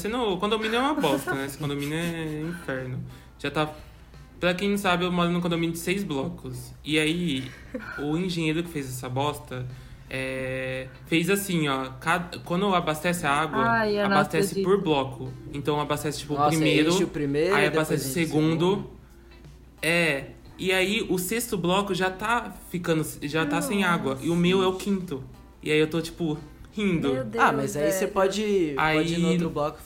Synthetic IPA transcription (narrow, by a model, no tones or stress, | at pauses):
sẽnʊkõd̪ominʊɛũmɐbɔst̪ɐnɛsɪ̥kõd̪omĩnɐɛĩfɛɾnʊ | ʒ̥at̪a | pɾɐkẽj̃nɐ̃sabɪewmɔɾɐnʊkõd̪omĩnʊd͡ʒɪsejzblɔkʊs | ɪai | ʊĩʒẽɲejɾʊkɪ̥fejzɛsɐbɔst̪ɐ | ɛ | fejzasĩɔkad̪ɐkwɐ̃nd̪ʊabast̪ɛsɪaaɡwɐabast̪ɛsɪpoɾblɔkʰʊẽt̪ɐ̃w̃abast̪ɛsɪ̥t͡ʃi̥pʊpɾimejɾʊpɾimejaiabast̪ɛsɪʊseɡũnd̪ʊ | ɛ | ɪaiʔʊsest̪ʊblɔkʊʒat̪afikɐ̃nd̪ʊsʒat̪asẽj̃aɡwɐʔɪʊmewɛʊkʰĩnt̪ʊ | ɪaiewt̪ot͡ʃi̥pʊhĩd̪ʊd̪amazaisepɔd͡ʒɪaioʊblɔkʊ̥